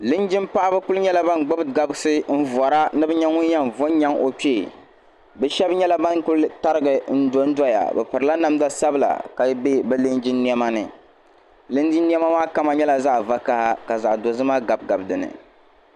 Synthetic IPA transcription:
lɨ˦nd͡ʒɪ˦mpa˦ʔa˦bɨ˦kʊ˦lɨ˦ɲɛ˦la˦ba˦nɡ͡ba˦bɡa˨bsɨ˦n̩˦vɔ˨ɾa˦nɨ˦bɨ˦ɲɛ˦ŋʊ˦ɲ˦ja˦mvo˦ɲ˦ɲa˦ŋo˨k͡pi˦˨ | bɛ˦ʃɛ˦bɲɛ˦la˦ba˦nkʊ˦lta˦ɾɨ˦ɡɨ˨n̩˦do˦n̩˦dɔ˦ja̰˨bɛ˨pɨ˨ɾɨ˨la˦na˨m˦da˦sa˦bɨ˨la̰˨ka˨jbe˦bɛ˦lɨ˦nd͡ʒɪ˦nːi˦ɛ˦ma˦nɨ̰˨ | lɨ˦nd͡ʒi˦nːi˦ɛ˦ma˦maː˦ka˦ma˨ɲɛ˦la˨za˦ʔva˦ka˦ha˦ka˨za̰˨ʔdo˨zɨ˦maː˦ɡa˨b̚ɡa˨bdɨ˨nɨ̰˨

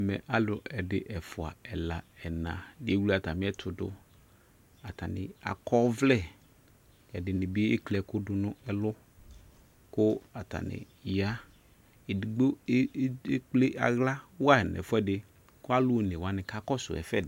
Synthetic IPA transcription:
mɛ̰˨ʔa˦lʊ˨ɛ˨dɪ˨ʔɛ˨fʊ˨a̰˨ɛ˨la˨ɛ˨nã̰˨dɪ˨˦e˦wulo˦a˨ta˨mɪ˦ɛ˦tʰʊ˨dʊ̰˦ | a˨ta˨nɪ̰˨a̰˨kɔ˦vlɛ˦˨ | ɛ˨dɪ˨nɪ˨bɪ˦e˦klɛ˨kʊ˦dʊ˨nʊ̃˦ɛ˨lʊ˦ | kʊ˦a˨ta̰˨nɪ̰˨ | ja˦˨ | dɡ͡bo˦k͡ple˦ʔa̰˨ɣla˦wa˦ɛ˨nɛ̰˨fʊ˦ɛ˦dɪ˦ | kʊ˦a˦lʊ˦o˨ne˨wa˨nɪ˨ka˦kɔ˦sʊ̰˨ɛ̰˨fɛ˦˨

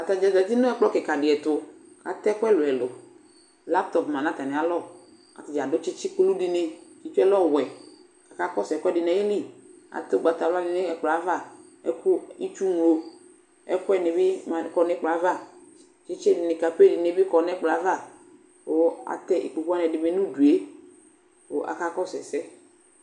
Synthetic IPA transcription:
a˨t̪a˨d͡ʒa˨d͡ʒa˨t̪i˦nʊ̃˦ɛ˦k͡plɔ˦kɪ˨ka˨dɪ˨ɛ˨t̪ʊ˨ | ka˨t̪ɛ˦kʊ˦ɛ˦lʊ˨ɛ˨lo˨ | la˦p̚t̪ɔ˨pmã˨nã˦t̪a˨nɪ̃˨a˨lɔ˦˨ | a̰˨t̪i˨d͡ʒa˨dʊ˦t͡ʃɪ˦t͡ʃɪ˦ku˦lu˦di˨ne˨ki˨t͡ʃu˦ɛ˦lɔ˦˨wɛ˨ | ka˨ka˦kɔ˦sɛ˨kʷɛ˦dɪ˨nɛ˨˦ji˦li˦˨ | a̰˨t̪o˦ɡ͡ba˨t̪a˨la˦lɪ˨ne˦ɛ˨k͡plɔ˨a˦va˦˨ | ɛ̰˦ku˦i˦t͡ʃu˦ŋu˨lo˨ | ɛ̰˦ku˦ɛ˦ne˨bɪ˦m˨kɔ˨nɛ˨˦k͡pla˨˦va˦˨ | t͡ʃɪ˦t͡ʃe˦dɪ˨nɪ˨ka˨pe˦dɪ˨ne˨˦bɪ˦kɔ˨nɛ˦k͡pla˨˦va˦˨ | o˨a̰˨t̪ɛ˦ʔḭ˨k͡pu˨ku˦a˦nɛ˨dɪ˨me˨nũ˦du˨e˦ | o˨ʔa̰˨ka˦kɔ˦sɛ˨sɛ˦

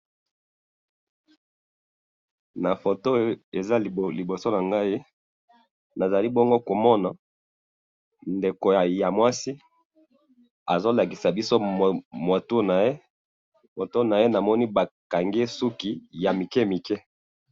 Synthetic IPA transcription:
na˨fo˨to˦e˨za˦˨li˨bo˨so˦na˨ŋɡa˦i˦ | na˨za˨li˦bɔ˦ŋɡo˦ko˨mɔ˦na˨ | nde˨ko˨ja˨ja˨mwa˦si˦ | a˨zo˦la˨ki˨sa˨bi˦so˦˨mwa˨to˦na˨je˦ | mo˨to˦na˨je˦na˨mɔ˦ni˦ba˨ka˨ŋɡe˦su˦ki˦ja˨mi˨kɛ˦mi˨kɛ˦

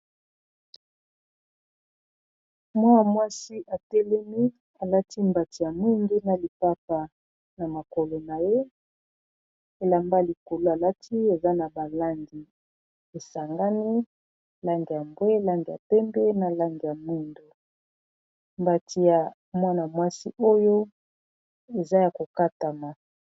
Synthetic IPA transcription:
mwa˦a˨mwa˦si˦ʔa˨tɛ˦lɛ˦mi˦ | a˨la˦ti˦mba˨ti˨ja˨mi˦ŋɡi˦na˨li˨pa˦pa˨ | na˨ma˨ko˨lo˨na˨je˦ | e˨la˨mba˦li˨ko˨lo˦a˨la˦tʰi˦e˨za˦na˨ba˨la˦ŋɡi˨ | e˨sa˨ŋɡa˦ni˦ | la˦ŋɡi˨ja˨mbwe˦la˦ŋɡi˨ja̰˨pɛ˦mbɛ˦na˨la˦ŋɡi˨ja˨mu˦ndo˨ | mba˨tʰi˨ja˨ | mwa˦na˨mwa˦sḭ˦ʔo˦jo˦ | e˨za˦ja˨ko˨ka˦ta˨ma˨

